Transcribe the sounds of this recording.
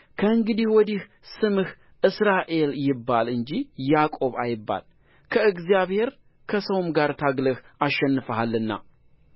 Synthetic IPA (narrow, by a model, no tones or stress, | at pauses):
kʰəɨŋɡɨd̪ihwɔd̪ih | sɨmɨh | ʔɨsɾaʔe̞ljɪbːalɨnd͡ʒijakʼo̞βajɪbːa̰l | kʰəɨɡzijaβhe̞ɾ | kʰəsəwmɡaɾt̪ʰaɡləhaʃːɛnːɨfəhalːɨnːa̰